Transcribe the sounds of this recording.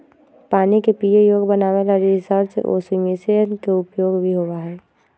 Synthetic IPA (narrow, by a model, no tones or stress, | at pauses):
paːnikepiːejoːɡbənaːʋelaɾisəɾt͡ʃḛʔo̰ːsimisejənkeʊpjoːɡbʱiɦoːʋaɦɛː